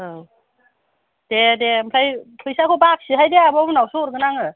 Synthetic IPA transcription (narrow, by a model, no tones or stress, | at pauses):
ɯ | d̥edempʰajpʰɯjsakʰɔbak̚siɦajdeabɔmnawsɔɾɡɯnaŋɯ